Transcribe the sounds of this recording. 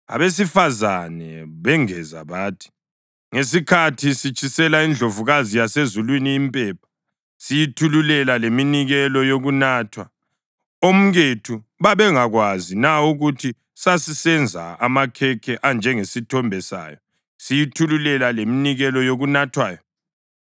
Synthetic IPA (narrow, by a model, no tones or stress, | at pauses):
a̰βes̬ifazanɛβɛŋɛza̰βaːtʰi̥ | ŋes̬ikʰatʰisit͡ʃʰʼisɛlaind͡ɮʱovuɣazijasezulwiniːmpʼɛːpʰḁ | sijitʰululɛlaleminiɣɛlɔjoɣunaːtʰwa | om̩ɣetʰu | βaβɛŋaɣwazinauɣutʰi | sasisɛnd͡zʱa̰amakʰɛkʰɛʔand͡ʒʱɛŋesitʰɔmbʱɛsa̰ːjɔ | sijitʰululɛlaleminiɣɛlɔjoɣunatʰwaːjɔ